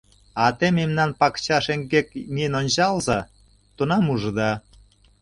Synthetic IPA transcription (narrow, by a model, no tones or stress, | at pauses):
ɑt̪ememnɑnpɑkt͡ɕɑʃeŋɡeknʲiənonʲt͡ɕɑlzɑ | t̪unɑmuʒə̆d̪ɑ